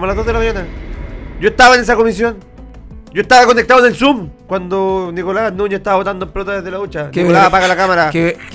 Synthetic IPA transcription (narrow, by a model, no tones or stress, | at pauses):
moalazðoseelamaɲana | d͡ʒoeht̪aβaenesakomis̬jon | d͡ʒoeht̪aβakonek̚t̪aðonelsumkwand̪onikolanuɲaeht̪aβaβot̪and̪omplot̪aðeðelaut͡ʃanikolapaɣalakamaɾak